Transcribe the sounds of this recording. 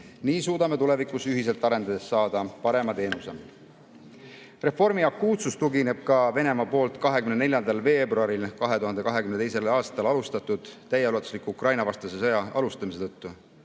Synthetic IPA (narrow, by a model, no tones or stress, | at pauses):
niːsuːd̪ɑme̞t̪ule̞vikˑusyɦise̞lt̪ˑɑɾe̞nd̪̥ɑd̪e̞sːɑːd̪̥ɑpɑɾe̞mɑt̪e̞ːnuse | re̞fo̞rmiɑkːˑuːt̪sust̪uɡine̞b̥̚kɑve̞ne̞mɑpo̞ːlt̪ˑkɑɦe̞kymnene̞lʲjɑnd̪ɑlve̞ːbruɑɾilkɑɦe̞t̪uɦɑnd̪e̞kɑɦe̞kymnet̪e̞jse̞lɑːst̪ɑlɑlust̪ɑt̪ːˑud̪̥t̪ːæjelulɑt̪u̥slikːuukrɑjnɑvɑst̪ɑsesejɑʔɑlust̪ɑmis̬e̞t̪ɤt̪ːu